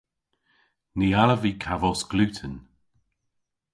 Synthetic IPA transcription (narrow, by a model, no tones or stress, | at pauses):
nialəvikʰavɔsɡ̥lʉːtʰən